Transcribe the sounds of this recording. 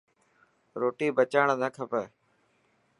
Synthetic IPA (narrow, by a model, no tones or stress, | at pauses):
ɾoːʈiːbət͡ʃaːɳnəkʰəpəː